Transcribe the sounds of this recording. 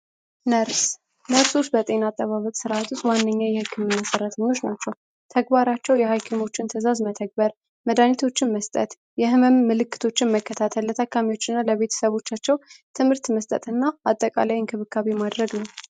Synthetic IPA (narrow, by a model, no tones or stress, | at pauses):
nəɾs | nəɾsust̪bət̪ʼe̞nat̪ʼːəβaβəkʼsɨɾʔat̪wʊst̪wanːəɲːajɛhɨkːɨmnasəɾːət̪ʰəɲːo̞t͡ʃːnat͡ʃːɛw | t̪ʰəɡbaɾat͡ʃːɛwjɛhajkʰemo̞t͡ʃːɪnt̪ʰəzazmət̪ʰəɡ̚bəɾ | məd̪anit̪ʰo̞t͡ʃːɪnməst̪ʼət̪ | jɛhɨməmːɨlɨkːɨ̥t̪ʰo̞t͡ʃːɪnməkːət̪ʰat̪ʰəlːət̪ʰəkːamiwo̞t͡ʃːɪnːaləβe̞t̪ʰə̥səβo̞t͡ʃːat͡ʃːɛwt̪ʰɨmhɨɾt̪məst̪ʼə̰t̪ʼɨnːaat̪ʼːəkʼa̰lajɪnkʰɨβɨkʰːaβimad̪ɾəɡnəw